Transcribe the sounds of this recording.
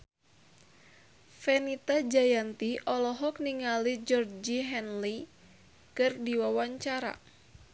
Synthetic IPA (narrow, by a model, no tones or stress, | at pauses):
fɛnit̪ad͡ʒajant̪iʔɔlɔɦɔk̚niŋalid͡ʒɔrd͡ʒiɦɛnli | kɨrdiwawaɲt͡ʃaɾa̰